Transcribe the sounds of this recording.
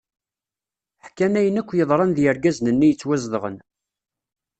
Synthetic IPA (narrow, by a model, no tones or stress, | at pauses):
ħkːænæjənækʷːjəðˤɾˤɑnðjəɾɡæznənːijət͡sːwæzðəʁə̰n